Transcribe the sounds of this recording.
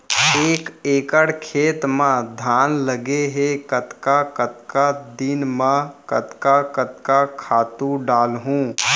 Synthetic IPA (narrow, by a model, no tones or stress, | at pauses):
eːkeːkəɽkʰeːt̪mãd̪ʱaːnləɡeɦekət̪kakət̪kad̪ɪnmãkət̪kakət̪kakʰaːt̪ũɖaːlɦũː